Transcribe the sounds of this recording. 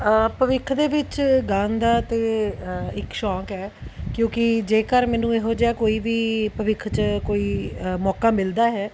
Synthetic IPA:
əpəʋɪkʰd̪eːʋɪt͡ʃɡaːnd̪aːt̪eːɪkʃɔ̃ːkɦɛːkjõːkɪd͡ʒeːkəɾmɛːnũːeːɦoːd͡ʒaːkoːiːʋiːpəʋɪkʰt͡ʃkoːiːmɔːkaːmɪld̪aːɦɛː

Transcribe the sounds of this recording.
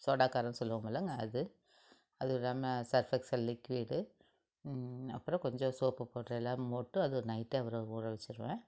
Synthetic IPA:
soːɽaːkaːɾɐnsɔlːɯʋɐmbɐːlːɐŋɡɐːðɯ | ɐðɯʋɪlaːmɐsɐɾfɛksɐllːɪkːʋiːɽɯ | ɐ̰pːɯɾɔ̃kɔɲd͡ʒɔ̃soːpɯpoːʈɾɐɛlːaːmmoːʈːɯɐðɯɔɾɯnɐɪʈːeːɐʋɐɾoʊrɐʋɛt͡ʃːɯɾɯʋẽː

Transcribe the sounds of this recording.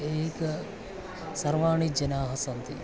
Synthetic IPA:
eːk | sɐɾʋaːɳid͡ʒɐnaːɦɐsɐnt̪i

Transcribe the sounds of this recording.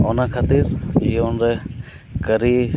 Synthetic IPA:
ɔnakʰat̪iɾiɔnɾɛ | kəɾi

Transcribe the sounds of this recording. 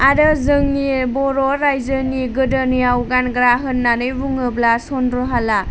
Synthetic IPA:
adɯzɯŋnibɔɾɔɾajzəniɡɯdənijawɡanɡɾaɦɯnːanɯjbuŋɯblasɔnɾɔɦala

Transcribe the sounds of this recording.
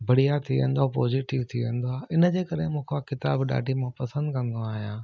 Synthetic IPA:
bɐɽ̤ijat̪ʰiʋḛ̃n̆d̪oaːpɔːziʈɪʋt̪ʰiʋẽn̆d̪oaːɪnə̆d͡ʑeːkɐɾemũːkʰakɪt̪a̰ːbɗa̰ːɖʱimãpɐsə̃nd̪kɐ̃nd̪oaːɦijãː

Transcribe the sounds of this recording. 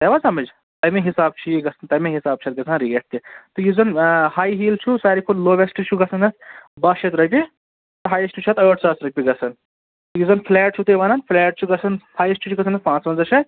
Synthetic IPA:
t̪ɐʋasɐmɐd͡ʒ | t̪ɐmeɦisaːb̚t͡ʃʰijiɡɐsʰɐnt̪ɐmẽɦisaːb̚t͡ʃʰɐt̪̚ɡɐsʰanɾieʈ̚t̪it̪ɨjuzɐnhaːjɦiːlt͡ʃʰusaːɾikʰulloːʋesʈit͡ʃʰuɡɐsʰɐnɐsbaʃʰɐt̪ɾɐpʲi | t̪ɐɦaːjɐsʈit͡ʃʰɐt̪ɐjoʈ̚t͡saːsɾɐk̚ʲpʲiɡɐt͡sʰɐn | t̪ɐjuzɐnfʰlɛːʈ̚t͡ʃʰut̪ɐʋɐnaːnfʰleːʈ̚t͡ʃʰuɡɐsʰɐnhaːjesʈit͡ʃʰuɡɐsʰɐnɐspãːt͡sʋɐnzɐʃʰɐt̪̚

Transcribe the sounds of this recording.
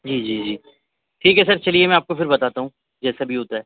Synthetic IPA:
d͡ʒiːd͡ʒiːd͡ʒiː | ʈʰiːkɦɛsɐɾt͡ʃɐliemɛ̃aːp̚kofɪɾbɐt̪aːt̪aɦũː | d͡ʒɛːsabʱiɦoːt̪aɦɛː

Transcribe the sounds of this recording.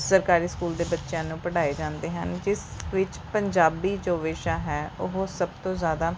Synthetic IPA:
səɾkaːɾiːskuːld̪eːbətːʃjãːnũːpəɽaːeːd͡ʒãːnd̪eːɦənd͡ʒɪsʋɪt͡ʃpəɲd͡ʒaːbiːd͡ʒoːʋeːʃaːɦɛːʊɦosəb̚t̪õːzjaːd̪aː

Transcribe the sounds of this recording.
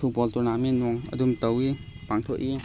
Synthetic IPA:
ut̚bɔltɔnaminɔŋɐ̰dumtɐwipaŋtʰɔʔi

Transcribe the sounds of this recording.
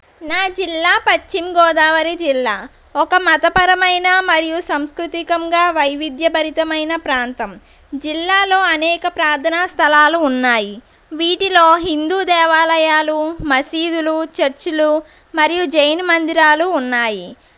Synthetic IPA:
naːd͡ʒilːaːpɐt͡ʃːimɡɔːd̪aːʋɐɾid͡ʒilːaː | ɔkɐmɐt̪ɐpɐɾɐmɐjnɐmɐɾijusɐmskɾut̪ikɐŋɡaːʋɐjʋid̪jɐbʱɐɾit̪ɐmɐjnɐpɾaːnt̪ɐm | d͡ʒilːaːlo̞ːɐnɛːkɐpɾaːɾt̪ʰɐnaːst̪ʰɐlaːluːnːaːji | ʋiːʈilo̞ːɦind̪uːd̪ɛːʋaːlɐjaːlumɐsiːd̪ulut͡ʃɐɾt͡ʃulu | mɐɾijud͡ʒɐjnmɐnd̪iɾaːluːnːaːji

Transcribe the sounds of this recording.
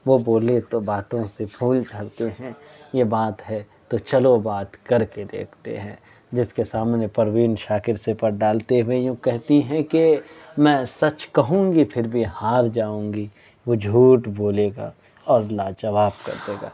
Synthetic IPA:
ʋoboːlet̪obaːt̪õsepʰuːlt͡ʃaɾt̪eɦɛ̃jebaːt̪ɦɛ | t̪ot͡ʃɐlobaːt̪kɐɾked̪ḛːkʰt̪ḛɦɛ̰̃ː | d͡ʒɪskesaːmnepɐɾʋiːnʃaːkɪɾsepɐɾɖaːlt̪eɦʊejõkɛɦt̪iɦɛ̃kemɛ̃ːsɐt͡ʃkɐɦũːŋɡipʰɪɾbʱihaːɾd͡ʒaːũːŋɡi | ʋod͡ʒʱuːʈboːleːɡa̰ː | ɔːɾɐlːad͡ʒɐʋaːbkɐ̰ɾd̪eːɡa̰ː

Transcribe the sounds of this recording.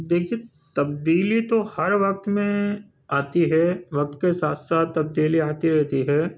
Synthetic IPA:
d̪eːkʰie | t̪ɐbd̪iːlit̪ohɐɾʋɐk̚t̪mẽ | aːt̪iɦɛːʋɐk̚t̪kesaːt̪ʰsaːt̪ːɐb̚d̪iːliaːt̪iɾɛɦt̪iɦɛː

